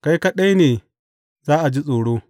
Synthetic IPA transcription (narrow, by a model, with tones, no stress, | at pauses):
ka˦jka˦ɗa˦jneː˨ | zaː˦ʔa˨d͡ʒi˦sʼoː˨ɽoː˦